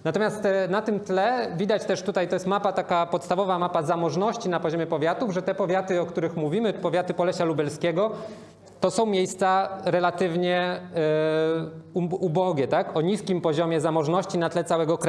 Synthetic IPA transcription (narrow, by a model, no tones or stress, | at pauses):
nat̪ɔmjast̪nat̪ɘmt̪lɛvʲid̪at͡ɕt̪ɛʂt̪ut̪ajt̪ɔjɛst̪mapat̪akapɔt̪st̪avɔvamapazamɔʐnɔɕt͡ɕinapɔʑɔmjɛpɔvʲjat̪uvʐɛt̪ɛpɔvʲjat̪ɘɔkt̪uɾɘxmuvʲimɘpɔvʲjat̪ɘpɔlɛɕalubɛlskʲɛɡɔ | t̪ɔsɔ̃w̃mʲjejst̪saɾɛlat̪ɘvɲɛ | uubɔɡʲɛt̪akɔɲiskʲimpɔʑɔmʲjɛzamɔʐnɔɕt͡ɕinat̪lɛt̪sawɛɡɔkɾ